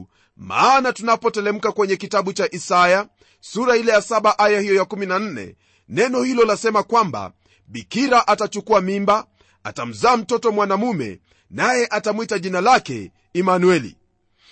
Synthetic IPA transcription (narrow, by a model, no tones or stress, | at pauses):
ma̰ːnatunapɔtɛlɛm̩kakwɛɲɛkitaɓut͡ʃaʔisaja | suɾailɛjasaɓaʔajahijɔjakuminan̩nɛ̰ | nɛnɔhilɔlasɛmakwamba̰ | ɓikiɾaʔatat͡ʃukuamimba | a̰tam̩zaːm̩tɔtɔmwanamumɛ̰ | najɛʔatamwitaʄinalakɛ̰ | imanuɛlḭ